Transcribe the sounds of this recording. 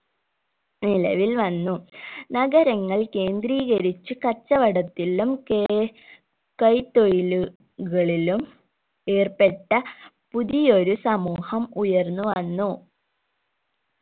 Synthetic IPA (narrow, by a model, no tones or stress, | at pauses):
nilɐ̰ʋilʋɐnːunɐɡɐɾɐŋːɐɭkeːnd̪riːɣɐɾit͡ɕːɨkɐt͡ɕːɐʋɐɽɐt̪ːilum | kɐjt̪ojilu | ɣɐɭilum | e̞ːrpe̞ʈːɐ | puðijo̞ɾusɐmuːhɐmujɐrnːuʋɐnːu